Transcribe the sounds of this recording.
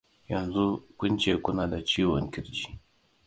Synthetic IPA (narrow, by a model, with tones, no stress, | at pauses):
jɐ˨nzu˦kʷʊ˦nt͡ʃeː˨kʷʊ˦naː˨da˨t͡ʃiː˦wɔ̰˨ŋkʲɪ˦ɽd͡ʒiː˦